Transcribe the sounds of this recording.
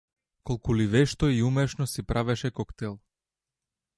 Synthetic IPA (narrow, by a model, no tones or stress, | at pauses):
kɔlˠkulivɛʃt̪ɔiumɛʃnɔsipɾʔavɛʃɛkɔkt̪ɛlˠ